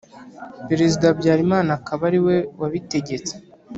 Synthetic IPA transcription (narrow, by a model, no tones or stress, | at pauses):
pe̞ɾe̞zidabɟaːɾimaːnakaβaɾiwe̞waβite̞ɟe̞t͡se̥